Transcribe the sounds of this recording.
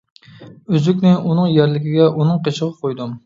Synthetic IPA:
yzykʲnɪʔunɨŋjæɾlɪkʲiɡʲɛʔunɨŋqʰet͡ʃʰəʁəp̚qʰojd̪um

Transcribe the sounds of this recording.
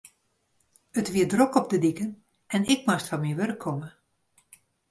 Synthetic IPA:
ətʋiədrokɔp̚dədikən | ɛnɪkmastfɔnmiʋørkʰːɔmə

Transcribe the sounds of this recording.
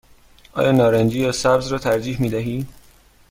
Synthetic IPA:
ʔɒ̰ːjɒːnɒːɾænd͡ʒiːjæsæbzrɒːt̪ʰæɾd͡ʒiːhmiːd̪æɦiː

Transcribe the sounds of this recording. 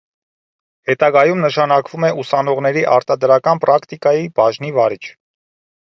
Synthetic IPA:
hɛt̪ɑɡɑjumnəʃɑnɑkvumɛusɑnɔʁnɛɾiʔɑɾt̪ɑd̪ɾɑkɑnpɾɑkʰt̪ikɑjib̥ɑʒnivɑɾit͡ʃʰ

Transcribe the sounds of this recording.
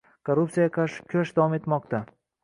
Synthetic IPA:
kʰoɾːupt̪sijakʰaʃkʲʰaʃd̪avɒme̞t̪mɒqt̪a

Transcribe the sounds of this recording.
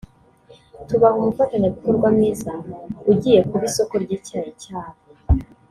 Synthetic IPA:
tuβaɦumufataɲeβikoɾɡwamiːzauɟiːje̞kuɾiso̞ko̞ɾɟiciaɾicaːɾo

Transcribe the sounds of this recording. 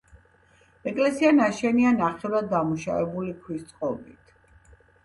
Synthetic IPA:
ɛkʼlɛsianaʃɛnianaχɛvɾad̪ːamuʃa̰vɛbulikʰwist̪sʼqʼɔbit̪ʰ

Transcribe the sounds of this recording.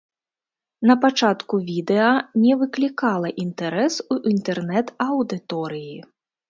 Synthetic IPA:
nɐpat͡ʂat̪kuvʲid̪ɛɐnʲɛvɨklʲikalˠɐʔint̪ɛɾɛsuʔint̪ɛrnɛt̪ɐwd̪ɨt̪ɔɾɨji

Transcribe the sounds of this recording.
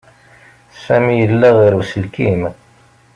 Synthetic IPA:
sæmijəlːæʁiɾusəlkim

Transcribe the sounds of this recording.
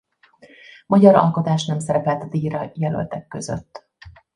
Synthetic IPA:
mɒɟɒɾɒ̰lko̞t̪aːʃnɛmsɛɾɛpɛlt̪ɒd̪iːɾɒjɛlø̰lt̪ɛkːø̞zø̰t̪ː

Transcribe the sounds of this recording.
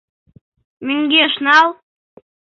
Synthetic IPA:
myŋɡʲeʃnɑlˠ

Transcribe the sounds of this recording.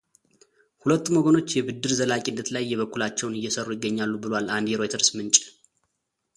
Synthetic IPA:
hulət̪ːumoɡono̞t͡ʃːjɛbɨd̪ːɨɾzəlakʼindːət̪lajːɛβəkːulat͡ʃːɛwnɨjːɛsərːujɪɡːəɲːalːubɨlwalʔand̪jɛɾo̞jt̪ʰəɾsmɨnt͡ʃʼ

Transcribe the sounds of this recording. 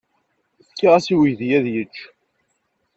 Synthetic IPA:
θkːaʁæsiwijðjæðjət͡ʃː

